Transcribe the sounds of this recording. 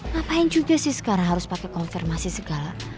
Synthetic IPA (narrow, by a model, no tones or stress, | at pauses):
mapaɪŋd͡ʒ̥uɡa̤sɪhsə̥kaɾaŋɦaɾʊspakɛkɔnfirmasisəɡ̥a̤la